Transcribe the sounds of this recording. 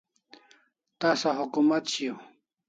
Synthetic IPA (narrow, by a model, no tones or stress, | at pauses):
t̪asaɦʊkumat̪ɕiw